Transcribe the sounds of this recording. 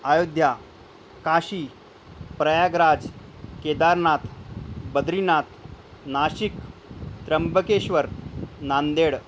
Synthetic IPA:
ajod̪ʱja | kaɕiː | pɾəjaɡɾad͡zked̪aɾnat̪ʰbəd̪ɾinat̪ | naɕikt̪ɾəmbʱəkeɕʋəɾnand̪eɽ

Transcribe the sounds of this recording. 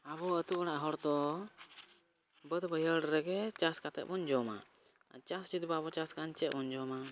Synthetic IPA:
aβɔət̪uʔɔɽaʔɦɔɽt̪ɔ | bəd̪bəjəɽɾɛɡɛt͡ʃaskat̪ɛ̰ʔ̚bɔɲd͡ʒɔma̰ | t͡ʃasd͡ʒud̪baabɔt͡ʃaskant͡ʃɛt̪̚bɔɲd͡ʒɔma

